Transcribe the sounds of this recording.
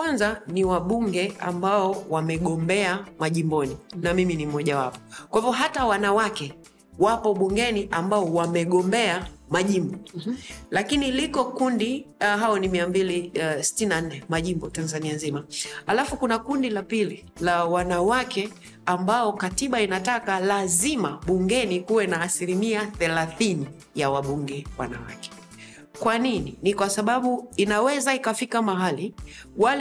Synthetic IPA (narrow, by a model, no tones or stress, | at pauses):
wanzaniwaɓuŋɡɛambaɔwamɛɠɔmbɛamaʄimbɔninamiminimɔʄawapɔ̥kwahivɔɦatawanawakɛ | wapɔɓuŋɡɛniʔambaɔwamɛɠɔmbɛamaʄimbɔ | lakinilikɔkundiɦaɔnimiambilisi̥tininan̩nːɛmaʄimbɔtanzanianzimahalafukunakundilapili | lawanawakɛ | ambaɔkatiɓainatakalazimaɓuŋɡɛnikuwɛnaːsilimiaθɛlaθini | jawaɓuŋɡɛwa̰na̰wa̰kɛ̥ | kwanininikwasaɓaɓuinawɛzaikafikamaɦali | wal